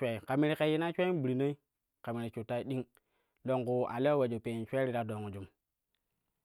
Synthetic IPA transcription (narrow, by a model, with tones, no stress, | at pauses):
e˨i˨ka˨mi˦ɾi˨ke˨ji˦na˦t͡ʃʷe˦bi˨ɾi˨ne˦i˦ | ka˨mi˨ɾi˨t͡ʃu˨tːa˦i˦ɗi˦ŋ | lo˨ŋku˨a̰˨le˦we˨d͡ʒo˨pe˨nt͡ʃʷe˦ɾi˦ɾa˦do˨ŋu˨d͡ʒu˨m